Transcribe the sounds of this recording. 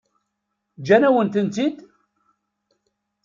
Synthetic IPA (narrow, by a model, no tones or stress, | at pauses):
d͡ʒænæwənt̪ənt̪id̪